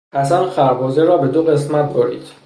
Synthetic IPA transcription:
hæsænxæɾbɒːzeɾɒːbe̞d̪oɣe̞smæt̪̚ʰboɾḭːd̪̥

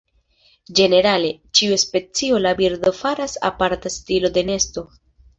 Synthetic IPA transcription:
d͡ʒe̞ne̞ɾale̞t͡ʃiuespe̞t͡sio̞labiɾd̪o̞faɾasa̰paɾtastilo̞d̪e̞ne̞sto̞

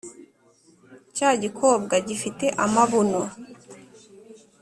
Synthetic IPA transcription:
caɟikʰo̞ːb̚ɡaɟifite̞ʔamaβono

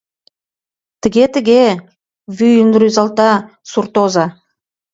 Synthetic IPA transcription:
t̪ʰɪɡʲet̪ɪ̆ɡʲe | vyjʏnd̪ɾyzɑlˠt̪ɑ | suɾt̪oza

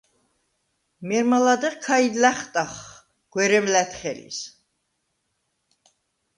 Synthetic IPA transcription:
mɛɾmalad̪ɛkʰaid̪læχt̪ʼaχ | ɡ̥wɛɾɛmlæt̪ʰχɛlḭs

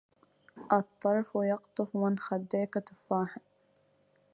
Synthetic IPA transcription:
ʔɑt̪ˤːɑɾˤfwjɑqt̪ˤʊfwɪnxad̪ːeːkat̪ʊfaːħɪ

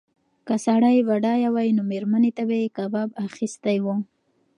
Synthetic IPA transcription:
kasaɽajbaɖɑjawajnomeɾmanet̪abajkababaxist̪ajwo

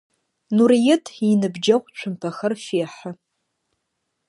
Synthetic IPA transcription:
nurijɪtʰinɨbd͡ʒɐχʷt͡ʃʷʰʊmpʰaxɐrfeːħa

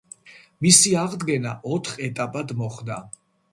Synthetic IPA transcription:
misiaʁd̪ɡɛna̰ʔɔt̪ʰχɛt̪ʼapʼad̪mɔχd̪a

